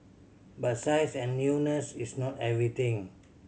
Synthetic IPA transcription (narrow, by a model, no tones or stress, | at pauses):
batsajsɛ̃nːunəsisnɔtɛvɹit̪ĩŋ